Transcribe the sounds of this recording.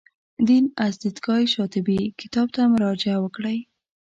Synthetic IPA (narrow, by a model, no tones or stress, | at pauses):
d̪inazd̪it̪ɡɑjʃɑt̪ɪbikɪ̥t̪ɑb̚t̪amʊɾɑd͡ʒɪawəkɽəj